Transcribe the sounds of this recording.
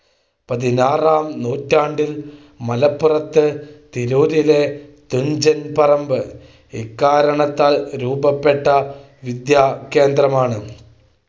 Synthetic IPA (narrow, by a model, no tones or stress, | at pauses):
pɐðinaːraːmnuːtːaːɳɖil | mɐlɐpːurɐt̪ːɨt̪iɾuːɾilet̪uɲd͡ʑɐnpɐrɐmbɨ | ekːaːɾɐɳɐt̪ːaːlɾuːbɐpːeʈːɐ | ʋid̪jaːke̞ːnd̪rɐmaːɳɨ